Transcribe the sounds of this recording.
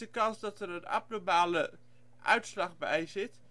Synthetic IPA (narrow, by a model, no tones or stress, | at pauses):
əkɑnsdɑtəɾəna̰p̚nomaːlə | ʔœ̰ɥtslɑχbɛ̰jzɪt